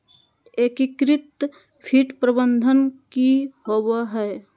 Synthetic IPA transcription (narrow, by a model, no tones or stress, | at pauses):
ekikɾɪt̪ | pʰiʈpɾəbənd̪ʱənkihowaɦɛː